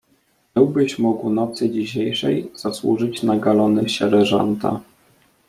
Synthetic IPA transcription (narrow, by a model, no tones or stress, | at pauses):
ɘwbɘɕmɔɡunɔt̪sɘd͡ʑiɕejʂɛjz̥aswṵʐɘt͡ɕnaɡalɔnɘɕɛɾɛʐa̰nt̪a̰